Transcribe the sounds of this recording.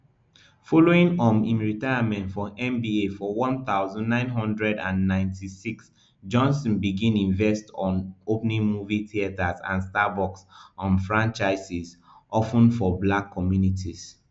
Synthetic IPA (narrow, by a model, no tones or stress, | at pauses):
fɔloĩŋɔmĩnɹitaɪamɛ̃ntfɔʔɛ̃mbiefɔwɔ̃nθaʊzɔ̃nːãɪ̃nɦɔ̃ndɹɛdãnːãɪ̃ntʰisiks | d͡ʒɔ̃nsɔ̃nbiɡĩnĩɱvɛstɔ̃nopnĩŋmuviθiatazã̰nstabɔksɔ̃nfɹãnt͡ʃaɪsiz | ʔɔfə̃nfɔblakʰːɔmjunitʰiz